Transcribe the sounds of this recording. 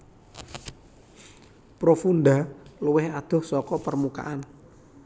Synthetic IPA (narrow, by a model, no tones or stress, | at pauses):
pɾofunɖ̪aluwɪhad̪̥ɔ̤hsɔkɔpərmuka̰ʔan